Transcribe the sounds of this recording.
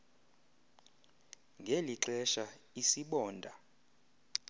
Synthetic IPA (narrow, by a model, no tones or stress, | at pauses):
ŋɡʱeliǁɛʃa | isiɓɔːndʱa